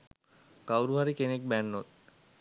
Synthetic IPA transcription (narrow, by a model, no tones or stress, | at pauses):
kawɾuɦaɾikenek̚bɛnːot̪